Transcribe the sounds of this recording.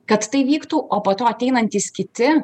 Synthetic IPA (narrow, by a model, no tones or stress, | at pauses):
kɐt̪ːɐɪʋʲiːkt̪uːʔoːpoːt̪oːɐt̪ʲɛɪnɐnʲt̪ʲiːskʲɪt̪ʲɪ